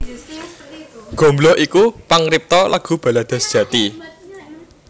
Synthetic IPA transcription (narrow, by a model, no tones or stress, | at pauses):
ɡ̥o̤mblɔhʔikupaŋɾip̚t̪ɔlaɡ̥ṳb̥ä̤lad̪̥a̤sd̥ʒ̥ä̤t̪i